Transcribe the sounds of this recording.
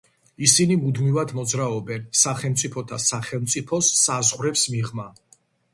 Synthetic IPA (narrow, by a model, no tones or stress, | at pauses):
isinimud̪mivad̪mɔd̪zɾaɔbɛnsaχɛlˠmt̪sʼipʰɔt̪ʰasaχɛlˠmt̪sʼipʰɔsːazʁwɾɛpsmiʁma